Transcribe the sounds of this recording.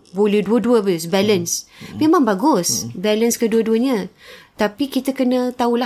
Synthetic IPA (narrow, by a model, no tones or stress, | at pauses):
bolɛhduəduəbaɡʊsbɛlənsmemãŋbaɡʊsbɛlənskəduəduəɲə̃t̪apikit̪əkənət̪aula